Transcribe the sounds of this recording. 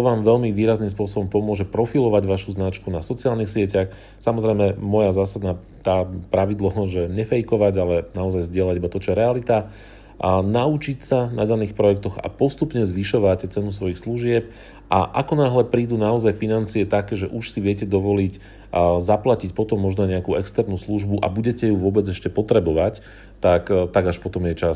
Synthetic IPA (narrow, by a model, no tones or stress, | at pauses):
t̪ɔʋaːmʋɛʎmiʋiːɾazniːmspʊɔsɔbɔmpɔmʊɔʒɛpɾɔfilɔʋaɟʋaʃuznat͡ʃkunasɔt͡siaːlnixsɪɛcax | samɔzɾɛjmɛmɔjazaːsad̪naː | t̪aːpɾaʋid̪lɔʒɛɲɛfɛjkɔʋaɟalɛnaɔzajzɟɪɛlaɟibat̪ɔt͡ʃɔjɛɾɛalit̪a | naut͡ʃicsanad̪aniːxpɾɔjɛk̚t̪ɔɣa̰pɔst̪upɲɛzʋiʃɔʋacɛt͡sɛnus̬ʋɔjixsluʒɪɛp | ʔaʔa̰kɔnaɦlɛpɾiːd̪unaɔzajfinant͡siɛt̪akɛːʒɛʔuʃsiʋɪɛcɛd̪ɔʋɔlic | zaplacicpɔt̪ɔmːɔʒnɔɲɛakuɛkst̪ɛɾnuːsluʒbuʔa̰buɟɛcɛjuʋʊɔbɛd͡zɛʃcɛpɔt̪ɾɛbɔʋac | t̪akt̪aɡaʃpɔt̪ɔmjɛt͡ʃas